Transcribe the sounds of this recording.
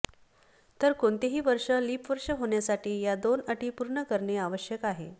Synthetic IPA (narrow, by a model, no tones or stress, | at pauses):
t̪əɾkoɳt̪eɦiːʋəɾʂəliːpʋəɾʂəɦoɳjasaʈiːjad̪onəʈiːpuɾɳəkəɾɳeaʋəɕjəkaɦe